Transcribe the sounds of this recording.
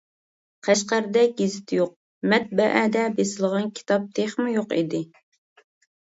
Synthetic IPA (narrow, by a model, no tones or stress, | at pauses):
qʰæʃqæɾd̪ɛɡʲezɪt̪ʰjoq̚ | mɛt̪̚bɛʔæd̪ɛbesɪlˠəʁɑnkʲʰi̥t̪ʰɑp̚t̪ʰeχmɪjoqḭd̪ɪ